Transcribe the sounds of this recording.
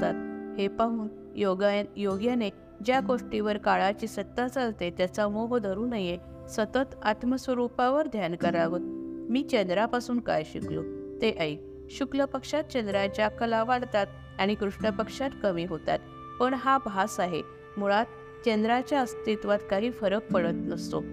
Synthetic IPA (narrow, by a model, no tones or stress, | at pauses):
t̪at̪̚hepəm | joɡajjoɡjane | d͡ʑjaɡoʂʈiʋəɾkaɭat͡ɕiːsət̪ːat͡salt̪et̪jat͡samoɦd̪ʱəɾuːnaje | sət̪ət̪at̪məsʋəɾupaʋəɾd̪ʱjankəɾaʋət̪miːt͡ɕẽnd̪ɾapasuːnka̰jɕḭklṵːt̪eʔəi | ɕukləpəkʂat̪̚t͡ɕẽnd̪ɾad͡ʑakəlaʋaɽt̪at̪ | aɽ̃ikɾuʂɳəpəkʂat̪kəmiːɦot̪a̰t̪ | pəɳɦabʱasaɦe | muɭat̪̚ | t͡ɕend̪ɾat͡ɕjaəst̪it̪ʋat̪kaɦiːfəɾək̚pəɽət̪nəst̪o̰